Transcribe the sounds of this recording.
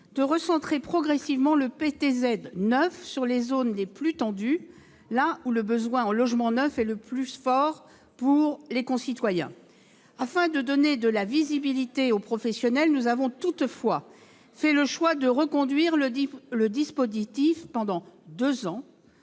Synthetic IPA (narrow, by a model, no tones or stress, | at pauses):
d̪əʁəsɑ̃t̪χepχɔɡʁɛsivmɑ̃ləpet̪ezɛd̪nœfsyʁlezonleplyt̪ɑ̃d̪y | lauləbəzwɛ̃ɑ̃lɔʒmɑ̃nœfɛləplyfɔʁ | puʁlekɔ̃sit̪wajɛ̰̃ | afɛ̃d̪əd̪ɔned̪əlavizibilit̪eopχɔfɛsjɔnɛlnuzavɔ̃t̪ut̪fwa | fɛləʃwad̪əʁəkɔ̃d̪ɥiʁlələd̪ispozit̪ifpɑ̃d̪ɑ̃d̪øzɑ̃